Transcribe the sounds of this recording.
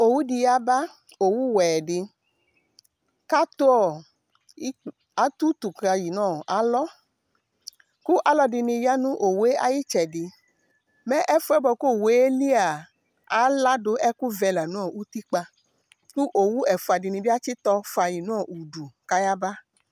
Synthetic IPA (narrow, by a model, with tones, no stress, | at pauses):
o˨wu˦di˧ja˦ba˦ | o˨wu˦wɛ˨di˧ | ka˦t̪o˦ɔ˦˨˦ | a˨˦t̪u˦t̪u˨ka˧ji˨nãː˦˨a˨˦lɔ˦ | ku˦ʔa˨lɔ˦di˧nĩ˧ja˦nũ˦ʔo˨we˦ʔa˨ji˦t͡ʃɛ˨di˧ | mɛ˦ʔɛ˦fu˧˦ɛ˦bɔ˧ko˦˨we˨˦e˦li˦a˨ | a˨˦la˦do˧˦ʔɛ˦ku˦vɛ˧la˨nũ˦ɔ˦˨u˦t̪i˦k͡pa˧ | ku˦ʔo˨wu˦ɛ˨fu˧a˨di˧nĩ˧bi˦a˦t͡ʃi˦t̪ɔ˧fa˧ji˨nãː˦˨u˨du˨ka˦ja˦ba˦